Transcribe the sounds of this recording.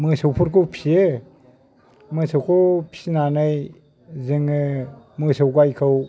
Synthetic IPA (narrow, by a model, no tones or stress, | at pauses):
mɯsowpʰuɾkʰopʰie | mɯsawkʰopʰi̥nanɯj | zɯŋɯmɯsɯwkajkʰɯw